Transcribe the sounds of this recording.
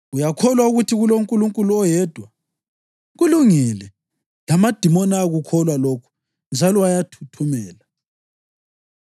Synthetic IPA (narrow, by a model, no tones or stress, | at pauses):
ɣujakʰɔlwauɣutʰiɣuloŋkʼuluŋkʼuluɔjɛd̥ʱwa | ɣuluŋilɛ | lamad̥ʱimɔnaːɣukʰɔlwalokʰu̥ | nd͡ʒʱalɔwajatʰu̥tʰumɛːla